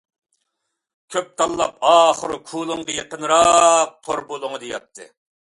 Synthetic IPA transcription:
kʲʰøp̚t̪ʰɑlˠːɑpɑːχəɾɨkʰuːlˠɨŋʁəjeqənɾɑq̚t̪ʰoɾbulˠʊŋd̪ijɑ̰t̪ʰːɨ̰

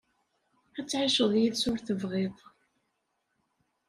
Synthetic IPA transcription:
æt͡sːʕiʃəðˤjiðsʊɾθəvʁeðˤ

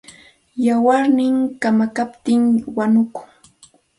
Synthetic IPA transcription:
jawaɾnɪŋkamakapt̪ɪŋwanʊkʊ̥ŋ

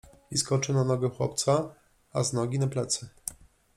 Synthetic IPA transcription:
iskɔt͡ʂɘnanɔɡɛxwɔ̰pt̪sa | aznɔɡʲinaplɛt̪sɘ

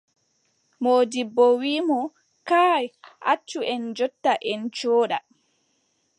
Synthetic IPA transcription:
moːdibːɔwiːmɔ | kaːjʔa̰t͡ʃːuʔɛnd͡ʒɔtːaʔɛnt͡ʃɔːɗa

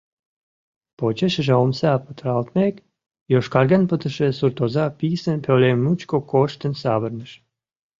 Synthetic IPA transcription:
pot͡ɕeʃəʒeomsapət̪ɾɑlt̪mek | joʃkɑɾɡənpət̪əʃesurt̪ozapisənpelemnut͡ʃkokoʃt̪ə̆nsaβərnəʃ

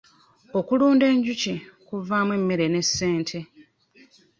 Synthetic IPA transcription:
o̞kuluːnde̞ːɲɟucikuvaːmwe̞mːe̞ɾe̞ne̞sːe̞ːntʰe̞

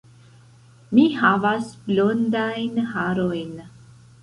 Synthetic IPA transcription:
miɦavasblond̪ajnhaɾojn

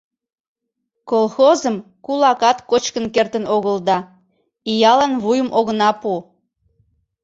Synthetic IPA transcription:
kolˠxozəmkulɑkɑt̪kot͡ɕkənkert̪ənoɣəld̪ɑ | ijɑlɑnβujəmʔoɣənɑpu

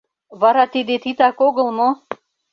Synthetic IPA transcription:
vaɾat̪id̪et̪ʰit̪akoɡə̆lˠno

